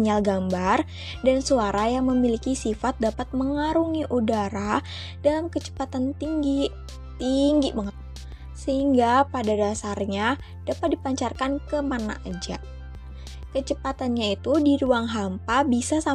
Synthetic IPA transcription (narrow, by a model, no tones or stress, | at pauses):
ɲalɡambar | dansuaɾajaŋməmilikisifat̪̚dapat̪̚məŋaɾuŋiʔudaɾa | dalamkət͡ʃə̥pat̪ant̪ii | t̪iŋɡiməŋa | səhiŋɡapadadasarɲa | d̥apat̪̚dipaɲt͡ʃarkankəmana̰ʔad͡ʒa̰ʔ | kət͡ʃəpat̪anɲait̪udiɾuaŋɦampabisasa